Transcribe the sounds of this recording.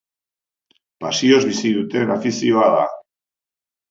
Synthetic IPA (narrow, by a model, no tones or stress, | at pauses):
pasio̞zβisiðut̪e̞nofisioaða̰